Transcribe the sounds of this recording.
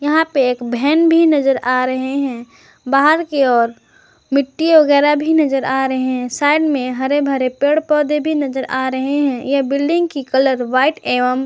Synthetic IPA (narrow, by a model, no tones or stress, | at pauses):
jɐɦãpeeːkbʱɛːnbʱinɐd͡ʒəɾaːɾɐɦeɦɛ̃ː | baːɦəɾkeɔːɾ | mɪʈːiʋɐɡɛːɾabʱinɐd͡ʒəɾaːɾɐɦeɦɛ̃saːɪɖmẽɦɐɾebʱəɾepeːɽpɔːd̪ebʱinɐzəɾʔaːɾɐɦeɦɛ̃jeɦbɪlɖɪ̃ŋɡkikɐləɾʋaːɪʈeːʋəm